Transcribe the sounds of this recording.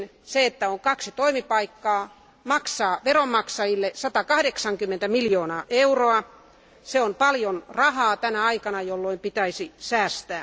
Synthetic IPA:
nseet̪ːæoŋkɑksit̪oimipɑikːɑː | mɑksɑːʋeromːɑksɑjilːesɑt̪ɑkɑhdeksɑŋkymːent̪æmiljoːnɑːʔeuroɑ | seompɑljonrɑhɑːt̪ænæɑikɑnɑjolːoimpit̪æisisæːst̪æː

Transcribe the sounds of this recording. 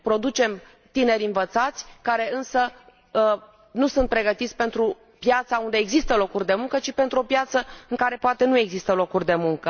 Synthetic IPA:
pɾo̞d̪ut͡ʃe̞m | t̪ine̞ɾʲɨnvət̪sat̪sʲkaɾe̞ɨnsə | nusunt̪̚pɾe̞ɡət̪it̪sʲpe̞nt̪ɾu | pjat̪saund̪e̞ːɡzist̪əlo̞kurʲd̪e̞muŋkət͡ʃipe̞nt̪ɾuo̞pjat̪səɨŋkaɾe̞poat̪e̞nue̞ɡzist̪əlo̞kurʲd̪e̞muŋkə

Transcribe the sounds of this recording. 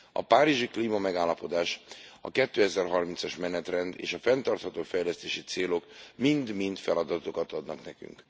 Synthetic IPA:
ɒ̰paːɾiʒikliːmɒmɛɡaːlːɒpo̞d̪aːʃɒ̰kɛt̪ːøːɛzɛrɦɒrmint̪sɒʃmɛnɛt̪rɛnd̪ḛːʃɒfɛnt̪ɒrt̪hɒt̪oːfɛjlɛst̪eːʃit̪seːlo̞kmind̪mint̪fɛlɒd̪ɒt̪okɒt̪ɒd̪nɒknɛky̰ŋk

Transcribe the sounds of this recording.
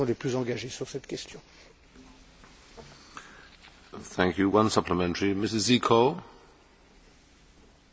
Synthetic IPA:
ɔ̃leplyzɑ̃ɡaʒesyʁsɛt̪kʲɛst̪jɔ̃ | θæ̃ŋkʰjuwʌ̃nsʌpləmɛ̃ntəɹimɪsɪzikʰɔl

